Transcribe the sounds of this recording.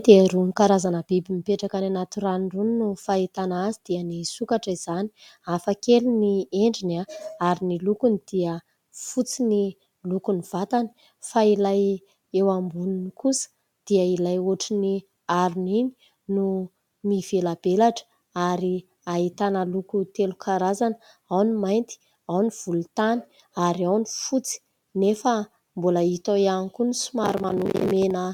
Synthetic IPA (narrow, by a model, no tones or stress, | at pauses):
d̪eaɾunikaɾazanəbibimipeʈ͡ʂakananat̪uɾanruninufait̪anazid̪̥iənisukaʈ͡ʂiz̥ani̥ | afəkelinieɳɖ͡ʐinaaɾinilukunid̪̥iə | fut͡sini | lukuniv̥at̪ani̥ | failaj | ewambuninikusə̥ | d̪̥iəilajoʈ͡ʂini | aɾunini̥ | nu | mivelabelaʈ͡ʂə̥ | aɾi | aɦit̪anəlukut̪elukʰaɾazan | awnimajnt̪i̥ | awniv̥ulut̪ani̥ | aɾiawnifut͡si̥ | nefə | mbuləit̪oianikunisumaɾumanumimenə